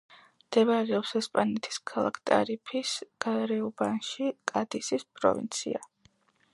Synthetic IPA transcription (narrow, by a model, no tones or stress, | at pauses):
md̪̥ɛbɾɛɔpsɛspʼanɛt̪ʰi̥skʰalˠa̰kʰt̪ʼa̰ɾipʰisɡ̥aɾɛubanʃikʼad̪isispʼɾɔ̰vḭnt̪sʰḭa